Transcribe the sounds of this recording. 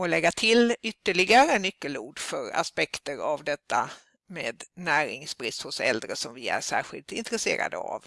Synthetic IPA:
ɔlɛɡːat̪ʰɪlʏt̪ːəɭɪɡaɾənʏkːəluːɖfœɾa̰spɛkt̪əɾavd̪ɛt̪ːa | meːd̪næːɾɪŋsbɾɪst̪hʊsɛ̰ld̪ɾəsɔmvɪæ̰ɾʂæ̰ːɾɧɪ̰lt̪ɪ̰nt̪ɾɛseːɾa̰d̪ə̰a̰v

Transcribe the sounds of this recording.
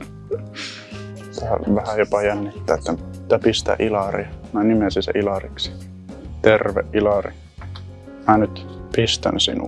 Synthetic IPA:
t̪æʋæhæjopɑjænːit̪ːæːet̪ːæt̪ːæpist̪æ̰ʔilɑrḭmænimesinsḛʔilɑrḭksi̥ | t̪erʋḛʔʔilɑrḭ | mænyt̪pist̪æ̰nsḭnṵ

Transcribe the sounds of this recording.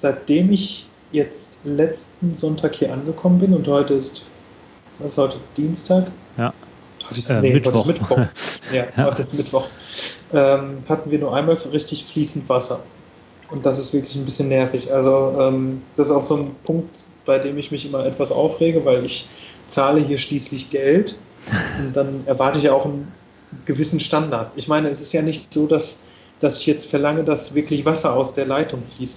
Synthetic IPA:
z̥aɪt̚d̥eːmɪç | jɛt͡stlɛt͡stn̩zɔntʰaːkhiːɐʔanɡəkʰɔmənbɪnʊnthɔʏtəɪst | ashɔʏtəd̥iːnstʰaːk | ɔtɪneɔtɪçmɪtvɔjaːɔʏtəɪstmɪtv̥ɔχʔɛːmhatn̩viːɐnuːɐʔaɪnmaːlʁɪçtɪçfliːsn̩tv̥asɐ | ʊnt̚d̥asɪstv̥ɪɐklɪçnbɪsçənɛɐfɪçʔalzoʔɛːmd̥asɪstaʊxz̥oːnpʰʊŋk̚t | b̥aɪdeːmɪçmɪçʔɪmɐɛtv̥asʔa̰ʊfʁeːɡəvaɪlɪçt͡saːləhiːɐʃliːslɪçɡ̥ɛlt | ʊnt̚d̥anɛɐvaɐtəɪçjaːaʊxn̩ | ɡ̥əvɪsn̩ʃtandaɐtɪçmaɪnəɛsɪ̥stjaːnɪçtz̥oːdas | d̥asɪçjɛt͡stfɛɐlaŋədasv̥ɪɐklɪçv̥asɐaʊsd̥eːɐlaɪtʊŋfliːsn

